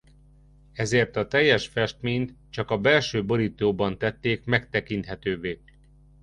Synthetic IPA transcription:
ɛzeːrt̪ɒt̪ɛjːɛʃfɛʃt̪meːɲt̪t͡ʃɒkɒbɛlʃøːbo̞ɾit̪oːbɒnt̪ɛt̪ːeːkmɛkt̪ɛkint̪ɦɛt̪øːveː

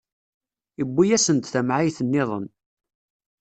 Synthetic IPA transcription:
əbːijæsənt̪θæmʕajθənːɪðˤə̰n

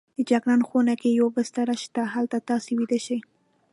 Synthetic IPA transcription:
d̪əd͡ʒaɡɾɑnxonakejobəst̪aɾaʃt̪aɦalt̪at̪ɑsewid̪aʃaj

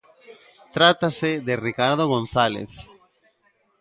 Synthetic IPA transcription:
t̪ɾat̪aseðerikaɾðoɣ̞on̟θalḛθ

